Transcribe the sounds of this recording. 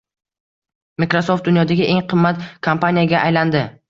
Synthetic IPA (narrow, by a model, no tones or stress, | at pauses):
mikɾosoft̪̚d̪ʊnjɒd̪aɡʲɪʔe̞ŋqʰɨmːat̪kʰampanijaɡʲaʔajland̪ɪ